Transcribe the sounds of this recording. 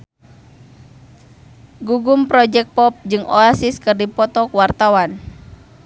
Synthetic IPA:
ɡuɡumpɾɔd͡ʒɛk̚pɔp̚d͡ʒɨŋʔɔasiskɨrdipɔt̪ɔkwart̪awan

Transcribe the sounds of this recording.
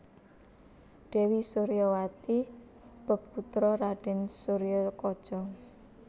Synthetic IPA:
ɖ̥e̤wisuɾijɔwat̪i | b̥ə̤pput̪ɾɔɾaɖ̥ɛ̤nsuɾijɔkɔd̥ʒ̥ɔ

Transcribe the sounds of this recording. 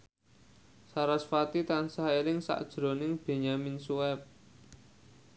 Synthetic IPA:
saɾasfat̪it̪ansaɦelɪŋsa̰ʔd̥ʒ̥ɾo̤nɪŋb̥e̤ɲaminsuɛp̚

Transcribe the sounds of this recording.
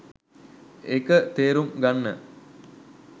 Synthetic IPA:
ekət̪eːɾumɡanːə

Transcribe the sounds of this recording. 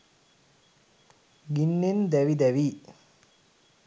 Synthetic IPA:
ɡinːend̪æʋid̪æʋiː

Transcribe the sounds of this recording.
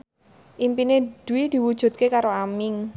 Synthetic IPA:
ʔimpined̪̥uwid̪̥i̤wud̥ʒ̥ṳt̪̚kekaɾoamɪŋ

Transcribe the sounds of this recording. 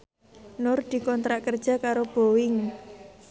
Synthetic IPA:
nʊrd̪̥i̤kɔnt̪ɾaʔkərd̥ʒ̥a̤kaɾob̥o̤wɪŋ

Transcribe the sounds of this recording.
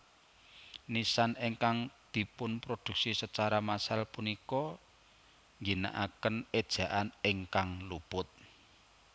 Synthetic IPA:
nisaneŋkaŋd̪̥i̤pʊnpɾod̪̥ṳk̚sisət͡ʃaɾamasalpunikɔ | ŋɡina̰ʔakəned̥ʒ̥ä̤ʔaneŋkaŋlub̥ʊt̪̚

